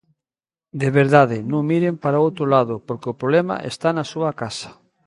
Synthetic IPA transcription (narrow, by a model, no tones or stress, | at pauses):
d̪eβeɾðaðɪnõŋmiɾempaɾaowt̪ɾolaðʊpoɾkeopɾoβlɛma̰ʔḛst̪anasuɐkasḁ